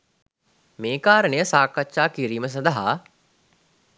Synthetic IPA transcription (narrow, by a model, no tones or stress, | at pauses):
meːkaːɾəɳəjəsaːkatʃaːkiɾiːməs̬ɐnd̪aɦa